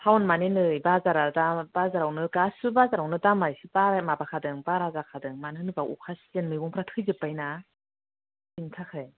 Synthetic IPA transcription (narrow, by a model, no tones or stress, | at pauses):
pʰawnmanenɯjbazaɾadab̥azaɾawnɯɡasubazaɾawnɯdamaɾsibaɾamabakʰadɯŋbaɾazakʰadɯŋmanɯnɯbaʔṵkʰaszenmɯjbɔŋpʰɾatʰɯjzɯpajna | sintʰakʰɯj